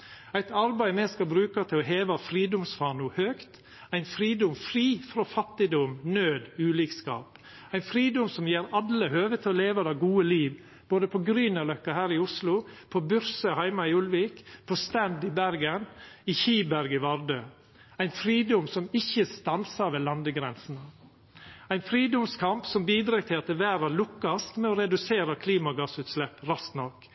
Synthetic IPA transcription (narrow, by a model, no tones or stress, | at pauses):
æɪt̪ʰɑɾbæɪmɛskɑbɾʉːkɑt̪ʰɪlɔɦeːʋɑfɾiːd̪ʊmsfɑːɳuːhøːkt̪ | æɪnfɾiːd̪ʊmfɾiːfɾofɑt̪ːɪd̪ɔmnøːd̪ʉːliːkskɑ̰ːp | æɪnfɾiːd̪ʊmsɔmjeːɾɑləhøːʋət̪ʰɪlɔleːʋɑd̪ɑɡuːəliːʋ | b̥oːd̪əpʰɔɡɾyːnɑlœkːɑhæːɾɪʊslʊpʰɔbʉɾsəhæɪmɑɪʊlʋiːkpʰɔst̪ɛnd̪ɪbæɾɡənɪçiːbæɾɡɪʋɑɾd̪øː | æɪnfɾiːd̪ʊmsɔmɪçəst̪ɑnsɑɾʋeːlɑnd̪əɡɾɛnsn̩ə | æɪnfɾiːd̪ʊmskʰɑmpsɔmbiːd̪ɾɑːɡt̪ʰɪlɑt̪̚d̪ɛːʋæːɾɑlʊkːɑst̪mɛɔɾɛd̪ʉseːɾɑkʰliːmɑɡɑsʉːt̪slɛpːɾɑst̪nɔk